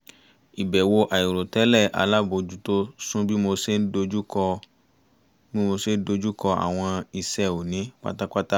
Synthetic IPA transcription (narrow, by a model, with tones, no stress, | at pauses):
i˨bɛ˨wo˧ʔa˨i˨ɾo˨tɛ˨˦lɛ˦˨a̰˧la˦˨bo˧˨d͡ʒu˨˦to˦sũ˦bi˦mo˧se˦n̩˦do˧d͡ʒu˦kɔ˧ | bĩ˦mo˧se˦n̩˦do˧d͡ʒu˦kɔ˧a̰˨w̃ɔ̃˧i˧sɛ˦o˨nĩ˨˦k͡pa̰˦ta˦k͡pa˦ta˦